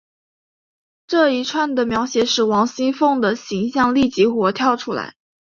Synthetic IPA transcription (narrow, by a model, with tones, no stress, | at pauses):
ʈ͡ʂɤ˥˩i˧˥ʈ͡ʂʰwa˥˩nd̪ə˩mjɑ˧˥ʊɕjɛ˧˥˦ʂɻ̩˨˥˩wɑ˧˥ŋɕi˥nfɤ˥˩ŋd̪ə˩ɕi˧˥ŋɕjɑ˥˧ŋli˥˩t͡ɕi˧˥xwɔ˧˥t̪ʰjɑ˥˩ʊʈ͡ʂʰu˥la̰˧˥ɪ